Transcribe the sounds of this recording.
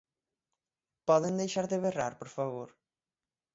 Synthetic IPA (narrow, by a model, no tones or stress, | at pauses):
pɔðend̪ejʃaɾðɪβera̰ɾpoɾfaβoɾ